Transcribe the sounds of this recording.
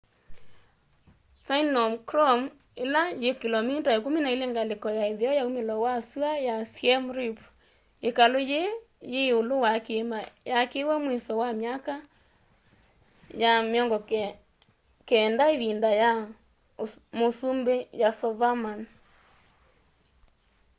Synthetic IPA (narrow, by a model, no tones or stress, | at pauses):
fainɔmkɾɔm | elajekilɔmitaekominaeleŋɡalekɔjaeðeɔjaumelɔwasuajasiɛmɾip | ekaloje | jeolowakemajakewɛmwesɔwamjaka | jameɔŋɡɔ | kɛndaeðindaja | mosumbejasɔvaman